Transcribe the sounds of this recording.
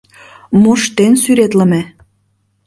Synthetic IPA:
moʃt̪ensyɾet̪lə̆mĕ

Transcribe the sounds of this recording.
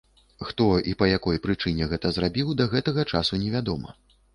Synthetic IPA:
xt̪ɔipɐjakɔjpɾɨt͡ʂɨnʲɛɣɛt̪ɐzrabʲiwd̪ɐɣɛt̪ɐɣɐt͡ʂasunʲɛvʲad̪ɔmɐ̰

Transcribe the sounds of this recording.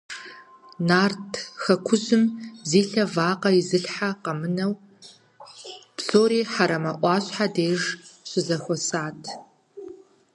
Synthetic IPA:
naːrtʰxɐkʷʰʊzɨmziːɬɐvaːqɐizɨɬħaqɐmɨnɐw | psoːɾiːħaɾɐmɐʔʷɑːɕħadeːʒɕɪzɐxʷɔsaːtʰ

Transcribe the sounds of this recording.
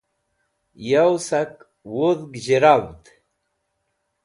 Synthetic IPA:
jawsak | wuðɡʑeɾawt̪

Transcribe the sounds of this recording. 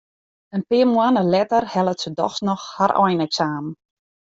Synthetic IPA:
ənpɪəmwanəlɛtərhɛlˠətsədɔ̰xsnɔxhaɾʔɔ̰jnɛksaːm

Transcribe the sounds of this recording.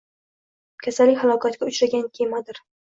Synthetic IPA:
kʲʰasalːikʲhalˠɒkʰat̪ɡʲaʊt͡ʃɾaɡʲankʲʰe̞mad̪ɪɾ

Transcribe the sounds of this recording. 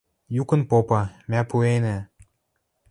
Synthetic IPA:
jukə̆npopɑmʲæpuenĕ

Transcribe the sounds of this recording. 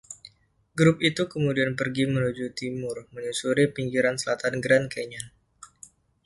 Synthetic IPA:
ɡɾʊp̚it̪ukəmudianpərɡimənud͡ʒut̪imʊrməɲusuɾipiŋɡiɾansəlat̪anɡɾankeɲan

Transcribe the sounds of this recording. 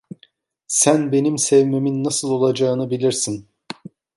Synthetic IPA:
sænbe̞nimsɛvme̞minːasɯlˠo̞lˠad͡ʒaɯnɯbilʲiɾsin

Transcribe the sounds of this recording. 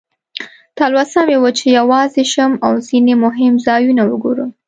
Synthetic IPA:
t̪ɑlwasɑmewət͡ʃejawɑzeʃəmawzinemʊɦɪmzɑjunawəɡoɾu

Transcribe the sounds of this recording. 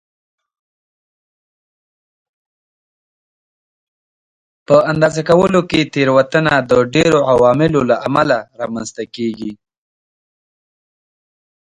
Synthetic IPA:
pəand̪ɑzakawəloket̪eɾwat̪ənad̪əɖeɾoawɑmɪlolaʔamalaɾɑmanzt̪akeɡi

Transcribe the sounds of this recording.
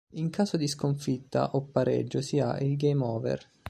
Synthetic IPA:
iŋkaːsod̪iskoɱfit̪ːa̰ʔopːaɾɛ̰d͡ʒːosia̰ʔilɡejmɔːvɛ̰r

